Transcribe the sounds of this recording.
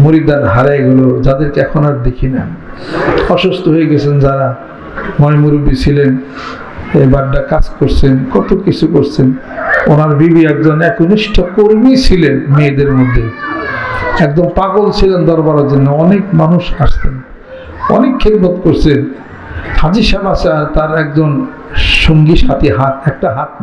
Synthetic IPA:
moɾid̪aɾɦaɾaeɡulod͡ʑad̪eɾkeɛkʰonaɾd̪ekʰina | ɔʃust̪ʰoɦoeɡɛt͡ɕʰend͡ʑaɾa | mɔjmuɾubit͡ɕʰilen | ebaɖːakaskoɾt͡ɕʰenkɔt̪okit͡ɕʰukoɾt͡ɕʰen | onaɾbibiak̚d͡ʑonɛkuniʃʈʰokoɾmit͡ɕʰilenmed̪eɾmod̪ʱːe | ɛkd̪ompaɡolt͡ɕʰilend̪ɔɾbaɾod͡ʑonːoɔnekmanuʃaʃsʰen | ɔ̰nekʰːed̪̚mot̪koɾt͡ɕʰen | hʰad͡ʑiʃamasat̪aɾɛk̚d͡ʑon | ʃoŋɡiʃat̪iɦat̪ɛk̚ʈaɦat̪̚

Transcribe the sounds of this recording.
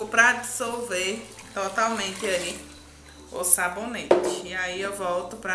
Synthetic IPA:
ʊpɾɐd͡ʒisowveɾt̪ɔt̪awmẽnt̪ɪali | ʊsabonet͡ʃɪ̥iaiewvɔwt̪ʊpɾɐ

